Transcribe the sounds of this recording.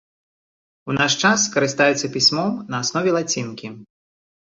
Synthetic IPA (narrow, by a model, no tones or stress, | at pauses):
unaʂt͡ʂaskɐɾɨst̪ajɛt̪sːɐpʲisʲmɔmnɐːsnɔvʲɛlˠat͡sʲinkʲi